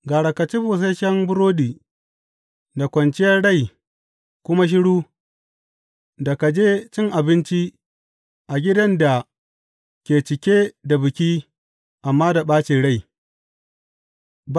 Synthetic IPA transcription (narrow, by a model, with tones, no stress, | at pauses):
ɡaː˨ɽɐ˨kɐ˨t͡ʃi˦buː˨s̬e˦ʃɐ˦mbʊ˦ɾoː˦diː˨ | da˨kʷɐ˨nt͡ʃɪ˦jɐ˦rɽa˦˨j | kʷʊ˦ma˦ʃ̬ɪ˦ɽuː˦ | da˨ka˨d͡ʒeː˦t͡ʃɪ˦ŋʔa˨bɪ˦nt͡ʃi˦ | ʔa˨ɡʲɪ˦dɐ˦nda˨ | kʲeː˨t͡ʃɪ˨kʲeː˦da˨bɪ˨kʲi˦ | ʔa˨mːaː˦da˨ɓaː˦t͡ʃiː˨ɽa˦˨j